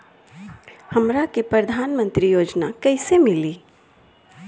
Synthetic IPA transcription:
hɐmɾakepɾɐd̪ʱaːnmə̃nt̪ɾijoːd͡ʒnakɐɦɪsemɪliː

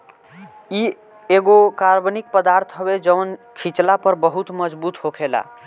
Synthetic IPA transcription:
i | eɡokaɾbnik̚pəd̪aɾt̪ʰɦəbed͡ʒəwnkʰit͡ʃlapəɾbəɦut̪məd͡ʒbut̪ɦokʰela̰

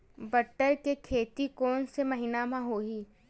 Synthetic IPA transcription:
bɐʈːəɾkekʰeːt̪ikɔːnsemɐɦɪnamãɦoːɦi

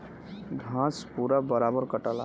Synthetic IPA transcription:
ɡʱãspuɾabəɾabəɾkəʈəla̰

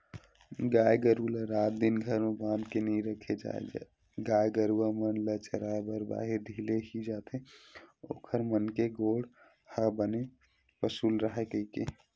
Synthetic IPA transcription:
ɡajɡəɾuləɾat̪̚d̪inɡʱəɾmebãnd̪kenĩɾəkʰed͡ʒa̰ḛd͡ʒa̰ | ɡajɡəɾuwamənlət͡ʃəɾabəɾba̰ɦid̪ʱileɦid͡ʒat̪ʰeo̰ːkʰəɾmənkeɡoɽ | həbəne | pəsulɾəɦɛkəike

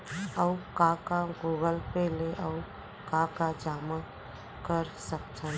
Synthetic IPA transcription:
əukakaɡoːɡəlpeleʔəu | kakad͡ʒaːma | kəɾsəkt̪ʰən

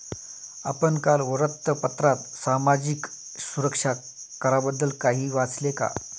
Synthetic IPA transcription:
a̰pənkalʋəɾət̪ːəpət̪ɾat̪samad͡ʑik | suɾəkʂa | kəɾabəd̪ːəlkaɦiːʋat͡sleka̰

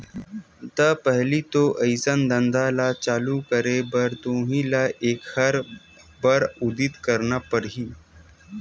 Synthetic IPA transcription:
d̪əpəɦlit̪oʔəjsənd̪ə̃nd̪alat͡ʃaːlukəɾebəɾt̪õːɦĩlaʔeːkhɐɾ | bəɾud̪it̪kəɾnapəɽɦiː

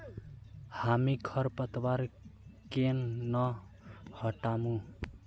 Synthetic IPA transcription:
hamikʰʌɾpʌt̪waɾkennʌ | hʌʈamũ

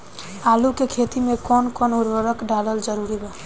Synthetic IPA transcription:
aːlukekʰet̪imẽkɔnkɔnʊɾʋəɾəkɖaləld͡ʒəɾuɾiba

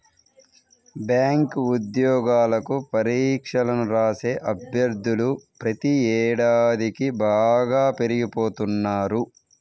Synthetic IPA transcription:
bjaːŋkud̪jɔːɡaːlɐkupɐɾiːkʂɐlɐmɾaːse̞ːʔɐbʱjɐɾd̪ʱːulupɾɐt̪iɛːɽaːd̪ikibaːɡaːpe̞ɾiɡipo̞ːt̪unːaːɾu

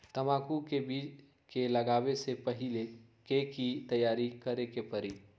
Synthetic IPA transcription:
t̪əmakukebid͡ʒ | keləɡabesepəɦile | kekit̪əjaɾikəɾekepəɾi

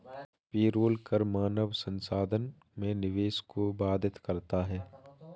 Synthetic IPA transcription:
piːɾoːlkəɾmaːnəʋsə̃nsaːd̪ʱən | mẽnɪʋeːskobaːd̪ʱɪt̪kɐɾt̪aɦɛː

